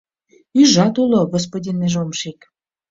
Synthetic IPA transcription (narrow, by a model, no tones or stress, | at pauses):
iʒɑt̪ulˠoɡos̬podʲinːiʒomʃik